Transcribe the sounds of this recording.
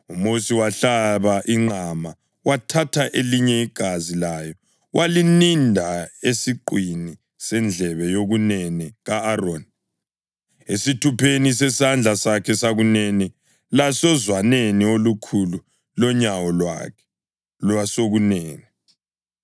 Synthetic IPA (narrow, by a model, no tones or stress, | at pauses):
umosiwaɬaβaʔiŋ͡ǃʱama | watʰatʰaʔeliɲɛiɡ̥ʱazilajɔ | wʔalinindʱaesiǃwini | sɛnd͡ɮʱɛβɛjoɣunɛniɣaːron | esitʰupʰenisɛsand͡ɮʱasakʰɛsaɣuneni | lasɔzwaneniolukʰulu | lɔɲawɔlwa̰kʰɛ | lwasoɣunɛːŋɛ